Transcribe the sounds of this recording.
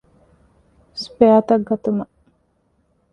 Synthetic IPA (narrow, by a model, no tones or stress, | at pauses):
speat̪ɐɡːɐt̪umɐ